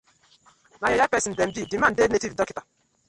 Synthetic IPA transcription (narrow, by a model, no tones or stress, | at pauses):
najɔjapɛsin̩dɛm̩bidiman̩denetidɔkita